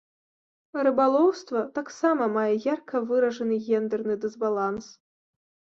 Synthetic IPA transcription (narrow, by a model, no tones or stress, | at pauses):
rɨbalˠɔwst̪vɐt̪aksamɐmajɛjarkʰɐvɨɾɐʐɐnɨɣʲɛnd̪ɛrnɨd̪ɨzbalˠans